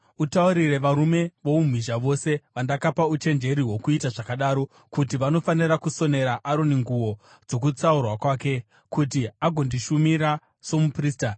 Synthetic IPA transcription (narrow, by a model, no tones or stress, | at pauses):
utauɾire̞ʋaɾume̞ʋoum̤wiʒaʋo̞se̞ʋandakapaut͡ʃe̞nd͡ʒe̞ɾiɦwo̞kuitaʐakaɗaːɾo̞ | kutiʋano̞faniɾakuso̞ne̞ɾaʔaɾoniŋɡuwo̞ | d͡zo̞k̬ut͡saurwakwaːke̞ | kutiaɡʱo̞ndiʃumiɾa | so̞mupriːsta